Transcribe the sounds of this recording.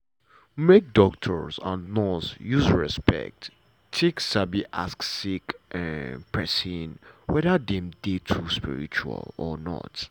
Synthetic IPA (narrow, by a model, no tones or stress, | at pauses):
mek̚dɔk̚tʰɔɹzã̰nnɔsjuzɹɛspɛ̰k̚t | tʰeksabiʔasksikʔɛ̃npʰɛsĩnwɛðədɛ̃mdetʰuspḭɹḭt͡ʃua̰lɔnɔ̰t